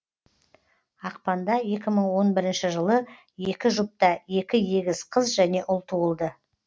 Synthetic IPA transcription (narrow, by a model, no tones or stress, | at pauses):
ɑqpɑnd̪ɑje̞kʲɪməɴwo̞nbɪɾɪnʃɪʒəlˠə | je̞kʲɪʒʊp̚t̪ɑje̞kʲɪje̞ɡʲɪzqʰəzʒæne̞ʔʊlˠt̪ʰuəlˠd̪ə